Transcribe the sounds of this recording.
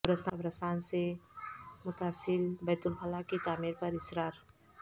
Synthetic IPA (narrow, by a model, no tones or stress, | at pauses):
bɾɐsabɾɐsaːnse | mʊt̪aːsɪlbɛːt̪ʊlxəlakːit̪aːmiːɾpɐɾɪsɾaːɾ